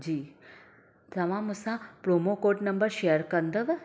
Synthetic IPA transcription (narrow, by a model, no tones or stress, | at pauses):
d͡ʑiː | t̪ɐʋãmusapɾomokoːʈnɐmbəɾʃejəɾkɐnd̪əʋ